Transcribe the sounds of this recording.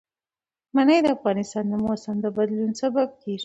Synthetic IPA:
manəjd̪əafɣɑnɪst̪ɑnd̪əmosand̪əbad̪lunsabab̚k̪ʰeɾ

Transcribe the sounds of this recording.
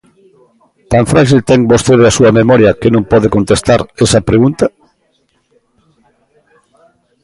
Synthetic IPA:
t̪aɱfɾaʃilt̪ɛŋbost̪eðeasuɐmemɔɾjɐkenõŋpɔðekont̪est̪aɾesɐpɾeɣunt̪ɐ

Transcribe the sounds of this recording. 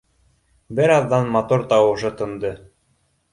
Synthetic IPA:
bɘɾɑðːɑnmɑt̪uɾt̪ɑwɤ̆ʃɤt̪ɤ̆nd̪ɤ

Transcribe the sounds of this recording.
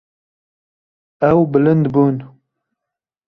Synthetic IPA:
ɛwbɨlɨnd̪buːn

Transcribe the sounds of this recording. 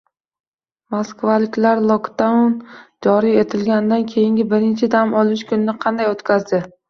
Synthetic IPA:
moskvalɪkʲlaɾlˠokt̪awnd͡ʒɒɾije̞t̪ʰɪlɡʲanɪd̪ankʲʰejɪŋɡʲɪbɪɾɪnt͡ʃʰɪd̪amɒlˠɪʃkʰʊnɪnɪqʰɑnd̪ajot̪kʲʰazd̪ɪ

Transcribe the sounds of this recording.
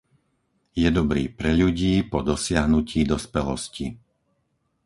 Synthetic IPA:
jɛd̪ɔbɾḭːpɾɛʎuɟiːpɔd̪ɔsɪaɦnuciːd̪ɔspɛlɔ̰sci

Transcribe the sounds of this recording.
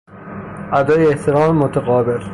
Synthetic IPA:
ʔæd̪ɒːjeeht̪ʰeɾɒːmemot̪ʰaɣɒːbel

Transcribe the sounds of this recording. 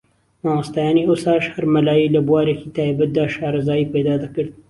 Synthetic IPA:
nawast̪ajɑːniosɑːʃhaɾmɐlaːjilɐbuwɑːɾekit̪aːibat̪̚d̪aːʃɑːɾɐzɑːipɐjd̪ɑːd̪ɐkɨɾd̪̚

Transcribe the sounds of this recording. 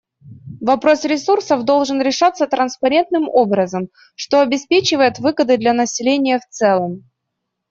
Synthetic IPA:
vɐpɾo̞sɾʲɪsursəvd̪o̞lˠʐɨnɾʲɪʂat̪sːət̪ɾənspɐɾʲe̞nt̪̚nɨmobɾəzəm | ʂt̪o̞ɐbʲɪspʲet͡ɕɪvəjɪt̪vɨɡəd̪ɨd̪lʲɐnəsʲɪlʲenʲɪjəft̪sɛlˠəm

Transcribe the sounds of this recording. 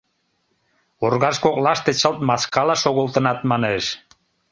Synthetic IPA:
orɣɑʃkoklɑʃt̪et͡ɕəlt̪̚mɑskɑlɑʃoɣəlt̪ənɑt̪mɑneʃ

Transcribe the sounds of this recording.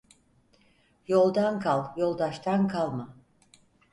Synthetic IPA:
jo̞lˠd̪ankʰalˠjo̞lˠd̪aʃt̪ʰankʰalˠma

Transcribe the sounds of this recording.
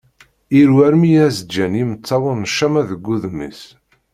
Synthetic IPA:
iɾwæɾmijæzəd͡ʒænimət͡sːɑwənəʃːæmæðəɡːuðəmːḭs

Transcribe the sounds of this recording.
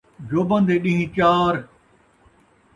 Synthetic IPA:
d͡ʑoːbɐ̃nd̪eːɗĩɦĩt͡ɕaːɾ

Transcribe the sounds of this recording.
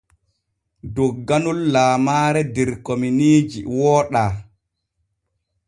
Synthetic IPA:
dɔɡːanulːaːmaːɾɛdɛɾkominiːd͡ʒḭwɔːɗaː

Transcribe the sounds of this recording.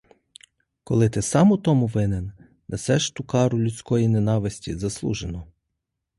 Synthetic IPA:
kɔlˠɪt̪ɪsɑmʊt̪ɔmʊʋɪnen | nʔesɛʃt̪ukɑɾʊlʲʊtʲt͡sʲkɔjinenɑʋɪsʲtʲizɐslˠṵʒenɔ

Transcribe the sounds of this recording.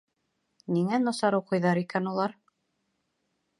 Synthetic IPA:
niŋænɑsɑɾɤwqɤ̆jðɑɾikænulˠɑɾ

